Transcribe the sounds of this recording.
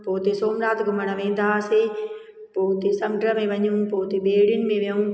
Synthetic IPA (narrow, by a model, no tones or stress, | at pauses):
poːt̪esoːmɾaːt̪ɡʊməɽ̃əʋẽːnd̪ase | poːt̪esɐmɖɾəmẽʋɐɲũːpoːt̪ebeːɽɪnɪ̆mẽʋjɐũ